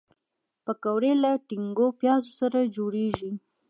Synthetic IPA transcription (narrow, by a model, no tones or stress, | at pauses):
pəkawɾelaʈɪŋɡopjɑzosaɾad͡ʒoɽeʒi